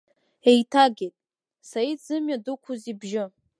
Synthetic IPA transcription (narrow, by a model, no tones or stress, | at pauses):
ejtʰaɡʲejtʼ | sajid͡zɨmɥadɨkʷʰuzibʒɪ